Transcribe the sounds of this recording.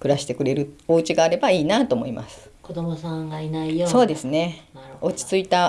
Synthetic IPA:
kɯ̟ɾaɕi̥t̪e̞kɯ̟ɾe̞ɾɯ̟o̞ɯ̟t͡ɕiɡaːɾe̞baiːnat̪o̞ːmo̞̰ima̰sɨ̥kod̪omosãŋɡainaioso̞ːd̪e̞sɨne̞o̞t͡ɕi̥t͡sɨit̪a

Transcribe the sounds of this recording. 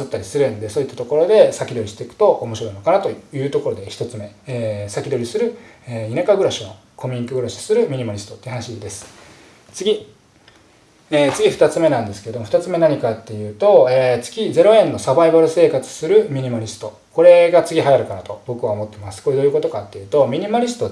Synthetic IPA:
ɨt̪ːaɾʲisɨɾɯ̟̃nd̪e̞so̞ːit̪ːḁt̪o̞ko̞ɾo̞d̪e̞sakʲid̪o̞ɾiɕi̥t̪e̞ikɯ̟̥t̪o̞ʔomo̞ɕiɾo̞inokanat̪o̞jɯ̟ːt̪o̞ko̞ɾo̞d̪e̞çi̥t̪o̞t͡sɨme̞ːsakʲid̪o̞ɾʲisɨɾɯ̟einakaɡɯ̟ɾaɕino | kʰo̞mʲĩŋkɯ̟ɡɯ̟ɾaɕi̥sɨɾɯ̟mʲiɲ̟imaɾʲist̪o̞t̪ːei̟hanaɕid̪e̞sɨ̥ | t͡sɨɡʲi | eːt͡sɨɡʲiɸɯ̟̥t̪at͡sɨme̞nãnd̪esɨ̥ke̞ɾe̞d̪ooɸɯ̟̥t̪at͡sɨme̞naɲ̟ikat̪ːe̞jɯ̟ːt̪o̞et͡sɨ̥kʲid͡ze̞ɾo̞ẽ̞nːo̞sabaibaɾɯ̟se̞ːkat͡sɨ̥sɨɾɯ̟mʲiɲ̟imaɾʲisɨ̥t̪o̞ | ko̞ɾe̞ɡat͡sɨɡʲiɦajaɾɯ̟kanat̪o̞bo̞kɯβaomo̞t̪ːe̞masɨ̥ko̞ɾe̞d̪o̞jɯ̟ko̞t̪o̞kat̪ːe̞jɯ̟ːt̪o̞mʲiɲ̟imaɾʲisɨ̥t̪o

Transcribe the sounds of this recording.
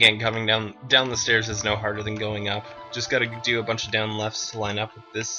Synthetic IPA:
ɡɛ̃nkʰʌmɪ̃ŋdãʊ̃ndãʊ̃nðəstɛɹzɨznoʊɦɑɹɾə˞ðɨ̃nɡoʊɪ̃ŋʌpd̥ʒ̥ʌsɡ̥ɑɾɨdɨəbʌ̃nt͡ʃʌvdãʊ̃nlɛfstʰəlãɪ̃nʌpwɨðɪs

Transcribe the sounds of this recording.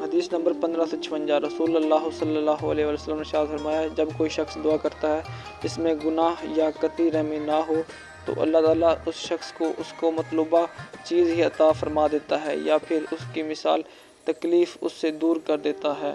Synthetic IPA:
ɦɐd̪iːsnɐ̃mbəɾpɐ̃nd̪ɾasot͡ʃʰɐʋə̃nd͡ʒaɾɐsuːlɐlːaːɦosɐlːəlːaːɦoɐleɦʋaːljosəlːəmneʃaːt̪fɐɾmaːjaɦd͡ʒɐbkoːiʃɐxsd̪ʊaːkɐɾt̪aɦɛː | ɪsmẽɡʊnaːɦjakɐt̪iɾɛɦminaɦo | t̪o̰ʔɐ̰lːaɦt̪aːlaʊsʃɐxskoʔʊskomɐt̪luːbat͡ʃiːzɦiɐt̪aːfɐɾmad̪eːt̪aɦɛ̰japʰɪɾʊskimɪsa̰ːl | t̪ɐkliːfʊ̰sːed̪uːɾkɐɾd̪eːt̪aɦɛ̰ː

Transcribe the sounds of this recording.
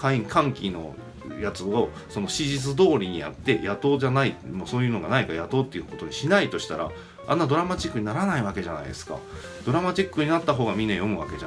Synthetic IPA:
kaĩkʰãŋkʲino̞̰ | jat͡sɨo̞ | so̞no̞ɕiʑit͡sɨd̪o̞ːɾʲiɲ̟ia̰t̪ːe̞jat̪o̞ːʑanaimoso̞ːjɯ̟ːno̞ɡa̰naikajat̪o̞ːt̪ːejɯ̟ko̞t̪o̞ɲ̟iɕinait̪o̞ɕi̥t̪aɾa̰ | ã̰nːad̪o̞ɾamat͡ɕikːɯ̟ɲ̟naɾanaiβake̞ʑana̰id̪e̞sɨ̥ka̰ | d̪̥o̞ɾamat͡ɕikːɯ̟ɲ̟inat̪ːaɦo̞ːɡamʲĩnːajo̞mɯ̟βa̰ke̞ʑa

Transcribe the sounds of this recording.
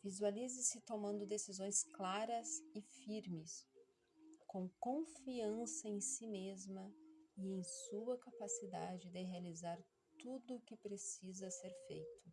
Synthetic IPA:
vizualizɪsɪt̪omɐ̃nd̪ʊd̪esizõj̃sklaɾɐzɪfiɾmɪs | kõw̃kõfiɐ̃sɐẽj̃simezmɐiẽj̃suɐkapasid̪a̰d͡ʒɪd̪ɪɦealizaɾ | t̪ud̪ʊːkɪpɾesizɐseɾfḛjt̪ʊ̥

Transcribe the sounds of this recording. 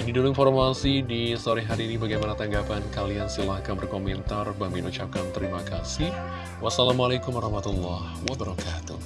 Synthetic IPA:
nidulinfɔrmasidisoɾiɦaɾiːnibaɡajmanat̪aŋɡapankaliansilahkanbərkomɛnt̪arbambɪnut͡ʃap̚kant̪əɾimakasih | wasalamalakumwaɾɑhmat̪ulːahwabəɾɔkat̪ṵh

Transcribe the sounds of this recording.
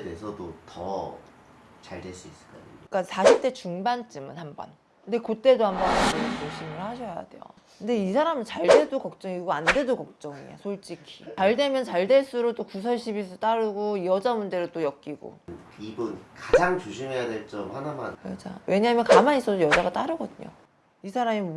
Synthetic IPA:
ede̞sʰʌdotʌ | t͡ɕaɭdeɭs͈uis͈ɯ̥ɭk͈adk͈asʰaɕʰip̚t͈e̞t͡ɕuŋbant͡ɕ͈ɯmɯnhambʌ̰n | kɯnde̞kot͈e̞dohambʌnaneimet͡ɕoɕʰimɯɭhaɕʰʌja̰de̞̰jo̰ | kɯnde̞isʰaɾamɯnt͡ɕaɭde̞dokʌk̚t͡ɕ͈ʌŋiɡoande̞dokʌk̚t͡ɕ͈ʌŋḭa̰sʰoɭt͡ɕ͈ikʰi̥t͡ɕaɭde̞mjʌnt͡ɕaɭde̞ɭs͈ɯɾot͈okus̬ʰʌɭɕʰibis̬ʰɯt͈aɾɯɡoijʌd͡ʑamund͡ʑe̞ɾɯt͈ojʌk̚k͈iɡo̰n | ibunkad͡ʑaŋt͡ɕuɕʰimɦe̞jadwe̞ɭt͡ɕ͈ʌmhanama̰nmad͡ʑa̰wʔe̞ɲaɦmjʌnkamanis͈ʌsojʌd͡ʑaɡat͈aɾɯɡʌdɯɲo̰ | isʰaɾami

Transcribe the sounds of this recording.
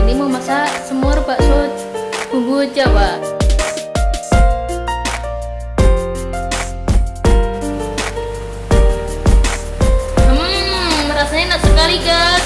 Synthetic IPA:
nimomasasəmɔrbaʔso | tuɡut͡ʃawa | əmːəɾasaɲanaʔsəkaliɡa

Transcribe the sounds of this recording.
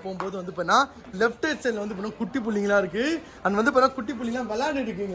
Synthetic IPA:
poːmpoːðɯʋɐnd̪ɯpɐːnːãː | lɛfʈeːsenlʋɐnd̪ɯpɐːnaːkʊʈːip̬ːʊɭːiŋɡɐlãːɪɾɯk̬ːɯ | ɐnːɐʋɐnd̪ɯp̬ɐːɾnaːkʊʈːip̬ʊɭːɪɡɐlaːʋɐlaːɽɪɽɯk̬ːiːŋɡɐ

